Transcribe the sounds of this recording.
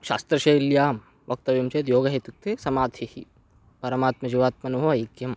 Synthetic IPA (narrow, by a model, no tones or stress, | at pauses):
ʃa̰ːst̪ɾɐʃɐjiljaːm | ʋɐk̚t̪ɐʋjɐmt͡ʃeːt̪joːɡɐɦet̪uk̚t̪eːsɐmaːd̪ʱʰihi | pɐɾɐmaːt̪mɐd͡ʒiʋaːt̪̚mɐnuɦoʋɐikjɐm